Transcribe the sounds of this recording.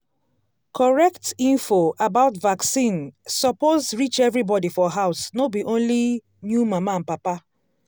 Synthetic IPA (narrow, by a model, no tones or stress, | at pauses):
kʰɔɹɛktĩnfoabaʊtvaksĩnsɔpozɹit͡ʃɛvɾibɔdifɔɦaʊsnobiʔõnli | njumaman̩papa